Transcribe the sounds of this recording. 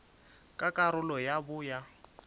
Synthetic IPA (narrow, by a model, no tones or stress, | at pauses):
kʼakʼaɾʊlɔjabʊja